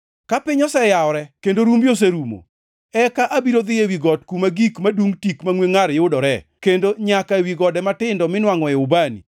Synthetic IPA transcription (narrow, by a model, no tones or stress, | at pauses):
kapɪɲɔsɛjaɔɾɛkendoɾumbjos̬eɾumo̰ | ɛkaʔabiɾod̪ɪewiɡɔtkumaɡikmaduŋtikmaŋweŋaɾjʊdɔɾɛkendoɲakaewiɡɔdɛmatɪndɔmɪnwaŋɔjɛʊbanḭ